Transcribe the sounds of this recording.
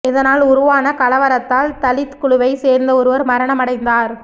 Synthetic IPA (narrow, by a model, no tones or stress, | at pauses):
ɛðɐnaːlʊɾʊʋaːnɐkɐlɐʋɐɾɐt̪ːaːlt̪ɐlɪt̪kʊɭʊʋɐɪseːɾnd̪ɐɔɾɯʋɐɾmɐɾɐɳɐmɐɽɐɪnd̪aːɾ